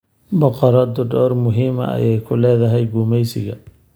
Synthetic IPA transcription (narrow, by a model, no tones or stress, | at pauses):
bɔqɔɾɔd̪ʊɖɔːrmʊɦiːmɐ̰ɐ̰jɛjkʰʊlɛːðɐɦɛjɡuːmɛjsɪɣɐ